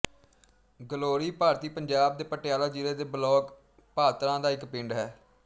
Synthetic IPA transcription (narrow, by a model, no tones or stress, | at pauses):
ɡəloːɾiːpaːɾt̪iːpəɲd͡ʒaːb̚d̪eːpəʈɪjaːlaːd͡ʒiɾeːd̪eːbəlɔːk | paːt̪ɾãːd̪aːɪkpɪɳɖɦɛː